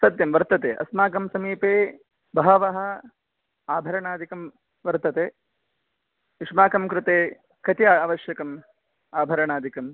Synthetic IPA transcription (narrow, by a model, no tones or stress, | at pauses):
sɐd̪jɐmʋɐɾt̪ɐt̪eːʔɐ̰smaːkɐmsɐmiːpeː | bɐɦɐʋɐɦɐ̆ | aːbʱɐɾɐɳaːd̪ʱikɐm | ʋɐɾt̪ɐt̪eː | iʂmaːkɐmkɾɪt̪eː | kɐt̪ijaːaːʋɐʃjɐkɐm | aːbʱɐɾɐɳaːd̪ʱikɐm